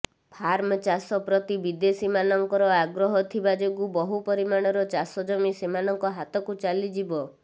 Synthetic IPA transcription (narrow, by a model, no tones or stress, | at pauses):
pʰaɾmɔt͡ʃasɔpɾɔt̪ibid̪esimanɔŋkɔɾɔaɡɾɔɦɔt̪ʰibad͡ʒoɡubɔɦupɔɾimaɽ̃ɔɾɔt͡ʃasɔd͡ʒɔmisemanɔŋkɔɦat̪ɔkut͡ʃalid͡ʒibɔ